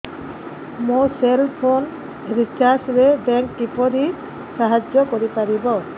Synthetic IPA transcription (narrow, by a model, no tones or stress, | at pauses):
muselpʰon | ɾit͡ʃaɾsɾɛbɛŋkʈipɔɾi | saɦad͡ʒjɔkɔɾipaɾibɔ